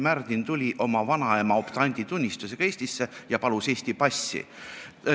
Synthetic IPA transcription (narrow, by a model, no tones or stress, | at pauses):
mærd̪int̪ulʲiʔo̞mɑvɑnɑemɑopt̪ɑnʲd̪̥ʲit̪unʲːist̪use̞ɡ̥ɑe̞ːsʲt̪isːe̞jɑpɑluse̞ːsʲt̪ipɑsːḭ